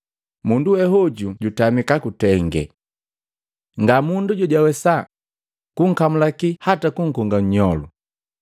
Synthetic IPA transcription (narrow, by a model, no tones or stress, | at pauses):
munduwɛɦɔɟuɟutamikakutɛŋɡɛ̰ | ŋɡamunduɟɔɟwawɛsa | kuŋ̩kamulakihatakuŋ̩kɔŋɡaɲɲɔlṵ